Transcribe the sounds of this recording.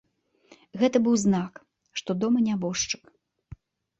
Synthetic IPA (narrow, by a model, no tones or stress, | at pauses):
ɣɛt̪ɐbɨwznak | ʂt̪ɔd̪ɔmɐnʲabɔʂt͡ʂɨ̥k